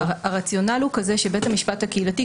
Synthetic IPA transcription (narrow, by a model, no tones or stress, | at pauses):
aʁat͡sjo̞nalhukaze̞ʃebe̞thamiʃpathakeilati